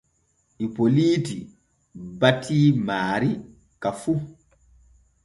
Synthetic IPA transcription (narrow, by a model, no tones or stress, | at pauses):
ʔipoliːti | batʰiːmaːɾi | kafu